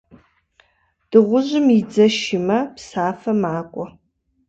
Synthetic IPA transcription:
d̥ɨʁʷʊʑɪmid͡zɐʃɪmɐpsaːfɐmaːkʷʼɔ

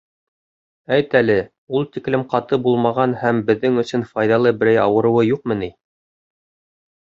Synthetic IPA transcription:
æjt̪ælɘ | ulˠt̪iklɘmqɑt̪ɤbulˠmɑʁɑnhæmbɘ̆ðːɘŋɵ̆sɵnfɑjðɑlˠɤbɘ̆ɾæjɑwɤ̆ɾɤ̆wɤjuqmɤ̆ni

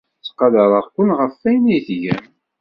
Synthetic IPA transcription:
t͡sːqːɑðəɾˤəʁkːʊnʁəfːæjnijθʝæn

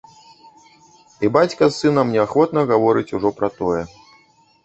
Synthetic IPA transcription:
ibat͡sʲkɐsːɨnɐmnʲɛaxʋɔt̪nɐɣavɔɾɨt͡sʲuʐɔpɾɐt̪ɔjɛ

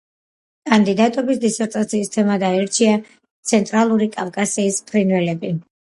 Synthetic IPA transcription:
kʼand̪id̪at̪ʼɔbisd̪isɛɾt̪ʼat̪sʰiːst̪ʰɛmad̪aiɾt͡ʃʰia | t̪sʰɛnt̪ʼɾalˠuɾikʼafkʼasiːspʰʼɾinvɛlɛbi

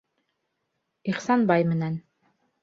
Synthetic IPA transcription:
iχsɑnbɑjmɘ̆næn

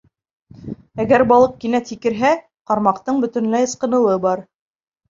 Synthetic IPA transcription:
æɡæɾbɑlˠɤq̚kinæt̪ikɘ̆ɾɦæ | qɑɾmɑqt̪ɤɴbɵ̆t̪ɘ̆nlæjɤ̆sqɤ̆nɤ̆lˠɤbɑɾ

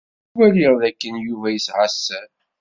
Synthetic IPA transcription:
wæliʁðækːənjuvæjəsʕasːæn

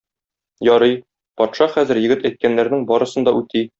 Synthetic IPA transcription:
jɒɾɤj | pɒt̪ʃɑχæzɘ̆ɾjɘ̆ɡɘt̪æjt̪̚kænːæɾnɘŋbɒɾɤ̆sɤ̆nd̪ɒʉt̪i

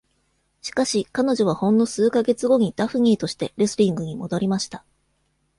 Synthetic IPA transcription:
ɕi̥kaɕikano̞ʑo̞β̞ahõ̞nːo̞sɨːkaɡe̞t͡sɨɡo̞ɲ̟id̪̥aɸɯ̟ɲ̟iːt̪o̞ɕi̥t̪e̞ɾesɨɾʲĩŋɡɯ̟ɲ̟imo̞d̪o̞ɾʲimaɕi̥t̪ḁ

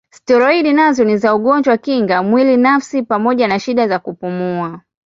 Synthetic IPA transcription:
stɔɾɔiɗinazɔnizauɠɔɲd͡ʒwakiŋɡamwilinafsipamɔʄanaʃiɗazakupumua

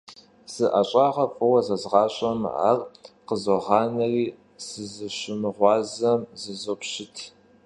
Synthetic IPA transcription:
z̥ɨʔɐɕʼɑːʁɐfʼɨwɐzɐzʁɑːɕʼɐm̰ʔa̰ːrqəzoʁɑːnɐriː | sɨzɨɕɪmɨʁʷɑːzɐmzɨzopɕɪtʰ

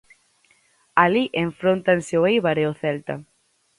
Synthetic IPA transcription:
aliʔeɱfɾont̪anseoejβaɾeoθɛlt̪a̰

